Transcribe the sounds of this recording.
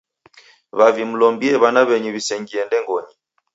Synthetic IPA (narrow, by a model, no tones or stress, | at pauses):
βavim̩lɔmbiɛβanaβɛɲuβisɛŋɡiɛndɛŋɡɔɲi